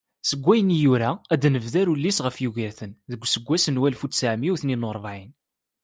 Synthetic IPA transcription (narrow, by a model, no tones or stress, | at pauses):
səɡʷːæjənijuɾææd̪nəvðæɾulːisʁəfjuʝiɾθənðəɡʷːsəɡʷːæsənwælfusæʕmiwθninoɾˤvʕin